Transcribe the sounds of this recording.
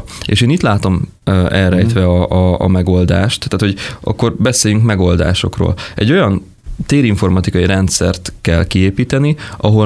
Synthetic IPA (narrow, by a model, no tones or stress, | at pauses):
ḛːʃeːniːt̪laːt̪o̞m | ɛlɾɛjt̪ʋɛɒɒ̰ːmɛɡo̞ld̪a̰ːʃt̪ːaːt̪ho̞ɟʔɒ̰kːo̞rbɛseːjyŋkmɛɡo̞ld̪a̰ːʃo̞̰kro̰ːlɛ̰ɟːo̞jɒn | t̪eːɾiɱfo̞rmɒt̪ikɒjiɾɛnt̪sɛ̰rt̪kɛlkieːpiːt̪ɛniʔɒɦo̞